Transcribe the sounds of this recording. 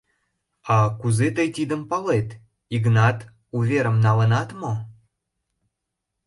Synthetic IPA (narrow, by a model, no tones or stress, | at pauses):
ɑkuzet̪əjt̪id̪əmpɑlet̪ | iɡnɑt̪ | uvʲeɾəmnɑlə̆nɑt̪mo